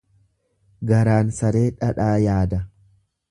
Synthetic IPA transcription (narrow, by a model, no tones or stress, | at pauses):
ɡɐɾaːnsɐɾeːᶑɐᶑaːjaːd̪ɐ